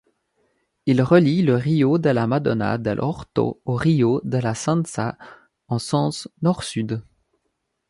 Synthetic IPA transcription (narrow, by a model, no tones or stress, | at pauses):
ilʁəliləʁijod̪əlamad̪ɔna̰d̪ɛ̰lʔɔ̰ʁt̪o̰oʁijod̪əlasɛ̃nsa | ɑ̃sɑ̃snɔʁsyd̪